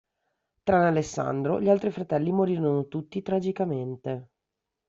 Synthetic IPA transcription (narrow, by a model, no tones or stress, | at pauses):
t̪ɾanalesːa̰nd̪ɾo̰ʎialt̪ɾifɾat̪ɛlːimoɾiːɾonot̪ut̪ːit̪ɾad͡ʒikament̪e